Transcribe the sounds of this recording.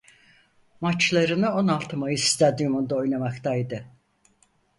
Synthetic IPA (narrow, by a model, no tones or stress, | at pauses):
mat͡ʃlˠaɾɯnɯo̞nalˠt̪ʰɯmajɯsi̥st̪ʰad̪imond̪ao̞jnamakt̪ajd̪ɯ